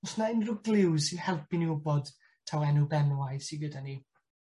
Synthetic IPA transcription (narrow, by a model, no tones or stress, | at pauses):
ɔsnaɪnrʊɡlˠɪwsɪnhɛlˠpʰiniʊbɔd̥ | tʰawɛnubɛnwajsiɡədani